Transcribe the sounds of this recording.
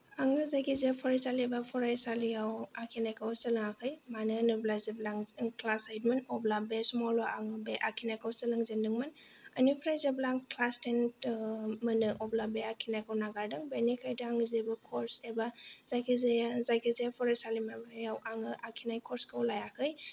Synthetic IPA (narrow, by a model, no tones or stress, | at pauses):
aŋɯzajkʰizepʰɔɾajsaliebapʰɔɾajsalijawakʰinajkʰawsɯlɯŋakʰɯjmanɯnɯblazeblaŋklasajtmɯnɔblabesmɔlaʔaŋɯbeʔakʰinajkʰawsəlɯŋzendɯŋmɯn | anupʰɔɾajzeblaŋklastentmɯnɯʔɔblabeakʰinajkʰawnaɡaɾdɯŋbenikʰajdaaŋɯzebɯkʰɔɾsebaz̥ajkʰizejazajkʰizejapʰɔɾajsalimamajawʔaŋɯʔakʰinajkʰɔɾskʰawlajakʰɯj